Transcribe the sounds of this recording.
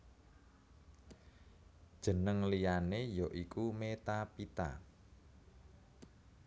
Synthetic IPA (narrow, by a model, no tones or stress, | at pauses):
d̥ʒ̥ə̤nəŋlijanejɔʔikumet̪apit̪a̰